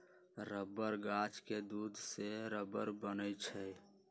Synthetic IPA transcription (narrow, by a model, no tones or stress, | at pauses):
ɾəbəɾɡat͡ʃked̪ud̪ʱseɾəbəɾbənət͡ʃʰəj